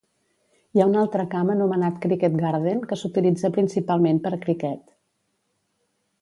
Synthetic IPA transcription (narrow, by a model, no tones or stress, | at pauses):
jaunalˠt̪ɾəkamənumənat̪kɾikɛt̪̚ɡaɾðenkəsut̪ilid͡zəpɾinsipalˠmenpəɾkɾikɛt̪